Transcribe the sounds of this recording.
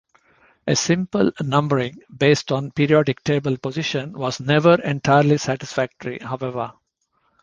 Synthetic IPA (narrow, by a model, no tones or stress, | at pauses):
ʔesɪ̃mpəlnʌ̃mbəɾɪ̃ŋbeːsʈɔ̃npiːɾiɔɖɪk̚ʈeːbəlpozɪʃə̃nʋɔːznɛʋəɾɛ̃ɳʈʰaɪəɾlisæʈɪsfæk̚ʈəɾḭhaʊɛʋəɾ